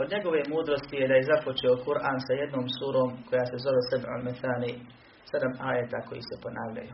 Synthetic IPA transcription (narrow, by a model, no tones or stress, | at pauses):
od̪ɲe̞ɡo̞ʋemuːd̪ɾo̞st̪ijed̪ajezapo̞t͡ʃeokuɾʔaːnsajed̪no̞ːmsuːɾo̞ːmko̞jaːsezo̞ʋesɛba̰lmɛθaːniː | sed̪amaːjet̪ako̞jḭːsɛpo̞naːʋʎa̰juː